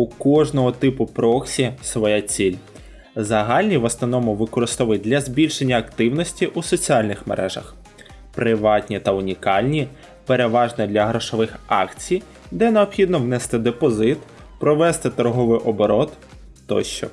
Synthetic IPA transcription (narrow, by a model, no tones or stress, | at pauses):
ukɔʒnɔɦɔt̪ɪpʊpɾɔksʲisʋɔjɛt͡sʲilʲ | zɐɦɑlʲnʲiʋɔsnɔnɔmʊʋɪkɔɾɪst̪ɔʋɪjd̪lʲɐzʲbʲilʲʃenʲːɐːkt̪ɪwnɔsʲtʲiʔusɔt͡sʲiɑlʲnɪxmḛɾʔɛ̰ʒɐ̰x | pɾɪʋɑtʲnʲit̪ɐʊnʲikɑlʲnʲi | peɾeʋɑʒnɛd̪ʲlʲɐɦɾɔʃɔʋɪxɑ̰kt͡sʲij | d̪ɛneɔpxʲid̪nɔwnɛst̪ɪd̪epɔzɪt̪ | pɾɔʋɛst̪ɪt̪ɔɾɦɔʋɪjʔɔbɔɾɔt̪ | t̪ːɔ̰ʃt͡ʃɔ̰